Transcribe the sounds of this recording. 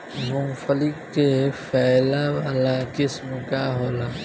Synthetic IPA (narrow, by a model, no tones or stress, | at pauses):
mʊ̃mfəlɪkːefʰɛːlawaːlakɪsmkaɦoːlaː